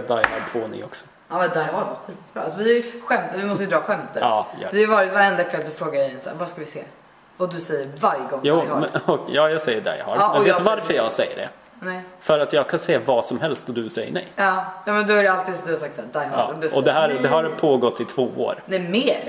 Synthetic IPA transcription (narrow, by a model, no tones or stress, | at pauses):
d̪ajhadp̪ʰvoːnɪ̰ŋɔ̰ksɔ̥ | ɑːmɛnd̪ajɦɑɖvaɧiːt̪b̥ɾɑːasɔvɪæɾjɧɛmt̪əvɪmɔst̪əjʏd̪ɾɑːɧɛmt̪əɾɑːjd̪ɛːjvɑːɾɪt̪vaɾɛnd̪akʰvɛlːsɔfɾoːɡaɾjɛnsæ̰ːɾvaskavɪsḛː | vad̪ɵsɛjːəɾvaɾjəɡɔŋːjuːɔkjɑːjɑːɡsɛjːəɖa̰jhɑ̰ːɾɑːɛnɔeːvaɾfəɾjɑːɡsɛjːə̰ɖɛ̰ | nɛɪfœɾat̪jɑːɡ̚kʰansɛjːavɑːsɔmhɛlst̪ɔd̪ɵsɛjːə̰ɳɛ̰jɑːjɑːmɛnd̪ɔhaɖɛalt̪iːd̪sɔd̪ɵhasakt̪sæːd̪ajha̰ːd̪ɛɔɛɦæːɾd̪ɛɦaɾpʰoːɡɔt̪ʰːɪt̪ʰvoːo̰ːɾnɛmeːɾ